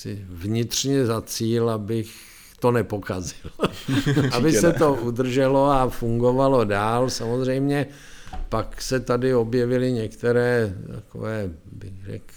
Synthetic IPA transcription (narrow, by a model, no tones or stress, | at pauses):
sɪvɲɪt̪r̥ɲɛzat͡siːlabɪx | t̪o̞nɛpokazɪl | abɪsɛt̪oʔud̪r̩ʒɛloafuŋɡo̞valo̞daːlsamozrɛjmɲɛ | paksɛt̪adɪo̞bjɛvɪlɪɲɛkt̪ɛɾɛːt̪a̰ko̰vɛːbɪxrɛ̰k